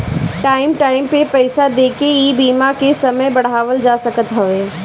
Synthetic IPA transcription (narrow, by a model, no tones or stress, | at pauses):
ʈaːɪmʈaːɪmpepɐɪsad̪eːkejibiːmakesɐməjbɐɽ̤aːʋəld͡ʒaːsɐkət̪ɦɐʋeː